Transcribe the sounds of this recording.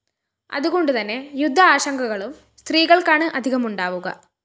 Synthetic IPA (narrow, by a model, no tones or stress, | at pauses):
ɐ̰ðuɣo̞ɳɖut̪ɐnːe̞jud̪ʱːɐaːɕɐŋɡɐɣɐɭum | st̪riːɣɐɭkaːɳɨʔɐd̪ʱiɣɐmuɳɖaːʋuɣɐ̰